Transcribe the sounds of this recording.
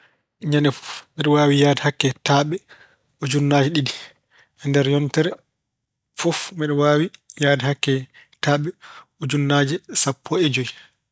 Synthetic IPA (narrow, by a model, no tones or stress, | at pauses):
ɲanɛfɔ̥fmɛɗɔwaːwijaːdɛhakːɛtaɓɛ | ɔd͡ʒunːaːd͡ʒɛɗidi | ɛndɛɾjɔntɛɾɛ | fɔfmɛɗɔwaːwijaːdɛhakːɛ | taːɓɛɔd͡ʒunːad͡ʒɛsapːɔɛd͡ʒoj